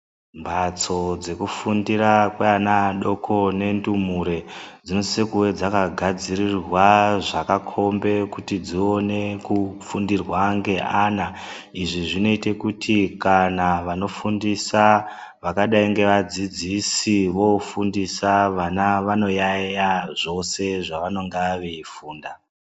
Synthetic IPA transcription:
mbat͡so̞d͡ze̞kufundiɾakweanaɗo̞kʰo̞ne̞ndumuɾe̞d͡zino̞sisekuwe̞d͡zakaɡʱad͡zirirwaʐakakʰo̞mbe̞kutid͡zio̞ne̞kufundirwaŋɡe̞ʔana | iʐiʐino̞ite̞kutʰikanaʋano̞fundisa | ʋakaɗaiŋɡe̞ʋad͡zid͡zisiʋo̞fundisaʋanaʋano̞jajaʐo̞se̞ʐaʋano̞ŋɡaʋe̞ifuːnda

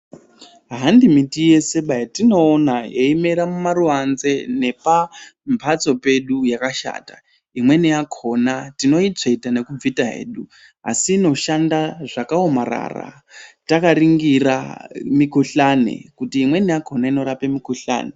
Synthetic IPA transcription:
ɦandimitije̞se̞ɓajatino̞ːnajeime̞ɾamumaruʋanze̞ne̞pampʰat͡so̞pe̞ɗujakaʃa̰ːta | imwe̞nijakʰo̞natino̞it͡ʂeitane̞kub͡vitaɦe̞̰ːɗu | a̰siːno̞ʃandaʐakaomara̰ːra̰ | takaɾiŋɡira̰mikuɬanḛkutiːmwe̞nijakʰo̞naino̞ɾapemikuɬa̰ːne

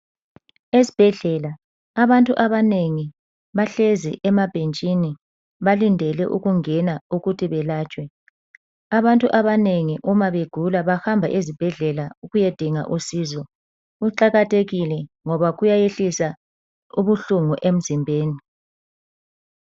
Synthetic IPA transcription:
ezi̥b̥ʱɛɮɛlaː | βantʼuʔaβaneŋi | βaɬezḭʔɛmab̥ʱent͡ʃʼini | βalindʱɛlɛ̰ʔuɣuŋɛnauɣutʰiβɛlaːt͡ʃʼwɛ | aβantʼuʔaβaneŋiʔumaβeɡ̥ʱulaβaxambʱa̰ʔezib̥ʱɛɮɛlauɣujed̥ʱiŋa̰ʔusiːzɔ | uǃaɣatʰeɣilɛŋɔβaɣujajeɬisa | uβuɬuŋuʔem̩zimbʱeːni

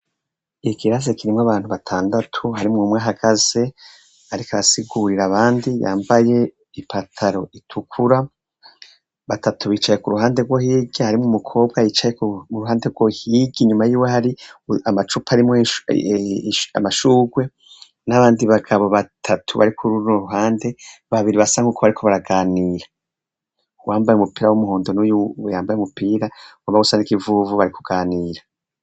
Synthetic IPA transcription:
ikʰiɾazekiɾimŋaβaːn̥huβatʰaːndatʰuhaɾimŋumŋaːɦaɡ̥az̥e̞ | aɾikaɾasiɡuɾiɾaβaːndija̰ːmbaje̞ | ipatʰaɾo̞itʰukʰuɾa | βatʰatʰuβiːt͡ʃajekuɾuɦaːndeɡwo̞hiːɡihaɾimŋumukʰo̞ːb̚ɡajit͡ʃajekuuɾuɦaːndeɾɡwohiːɡiɲumajiːwehaɾiamat͡ʃupaɾim | ʃa̰maʃuːɡwe̞ | naβaːndiβaɡaβoβatʰatʰuβa̰ɾikʰuɾuoɾuɦaːnde̞βaβiɾiβasaŋuːkʰoβaɾikʰoβaɾaɡaːniːɾa | uwaːmbajeumupiːɾawumuhoːndonujuwjaːmbajeumupiːɾawaβaɡusanikivuvuβaɾiku̥ɡ̥aːniːɾa

